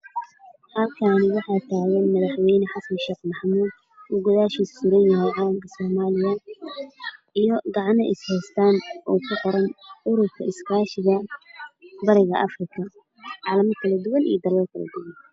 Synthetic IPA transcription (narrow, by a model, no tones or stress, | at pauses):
hɐlkʰaːnɪwɑħɑːt̪ʰaːɣɛnmɐðɑħwɛjnɛħɑsɐnʃɛːqmɑħmuːd̪̚ | uːɡʊðaːʃiːssʊɾɐnjɐɦɛjʕɑːlɐmkʰɐsɔːmaːlɪjɐ | ijɔɡɑʕɑnɐʔɪshɛjst̪ʰaːnʔɔːkʰʊqɔɾɐnʊɾʊrkʰɐɪskʰaːʃɪɣɐ | bɐɾɪɣɐʔɐfrɪkʰɐ | ʕɑːlɐmɐkʰɐlɐd̪ʊwɐnʔḭjɐd̪ɐlɔːrkʰɐlɐ̰d̪ʊwɐn